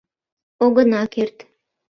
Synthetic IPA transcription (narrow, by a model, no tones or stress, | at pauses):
oɡɤ̆nɑkert̪